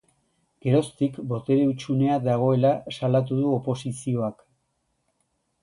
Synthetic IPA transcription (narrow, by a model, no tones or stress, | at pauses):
ɡ̥e̞ɾo̞st̪ikbo̞t̪e̞ɾeut͡ʃune̞ad̪aɣ̞o̞e̞lasalat̪̬uðuopo̞sisio̞ak